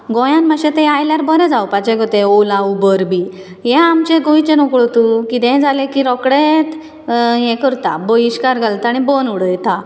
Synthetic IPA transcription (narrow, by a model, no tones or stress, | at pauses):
ɡɔ̃jãnmaɕẽt̪ɛ̃ajljaɾbəɾɛ̃d͡zaupat͡ɕɛ̃ɡɔt̪ẽolaubəɾbi | jɛ̃amt͡ɕẽɡoit͡ɕẽnɔkɭot̪ukid̪ɛ̃d͡zalẽkiɾɔkɽet̪ | jɛ̃kəɾt̪aboiɕkaɾɡalt̪aɽibonuɽəjt̪a